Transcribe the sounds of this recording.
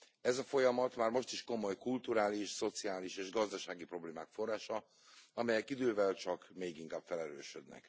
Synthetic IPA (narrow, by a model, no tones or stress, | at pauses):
ɛzɒfojɒmɒt̪maːrmo̞ʃt̪iʃko̞mo̞jkult̪uɾaːliʃso̞t̪siaːliʃeːʒɡɒzd̪ɒʃaːɡipro̞bleːmaːkfo̞rːaːʃɒ | ɒmɛjɛkid̪øːvɛlt͡ʃɒkmeːɡiŋkaːb̥fɛlɛɾøːʃød̪nɛ̰k